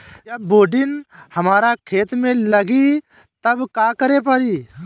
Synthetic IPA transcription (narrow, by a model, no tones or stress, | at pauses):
ɐbːoːɖɪnhəmaːɾakʰeːt̪mẽləɡi | t̪əbkaːkəɾepəɾiː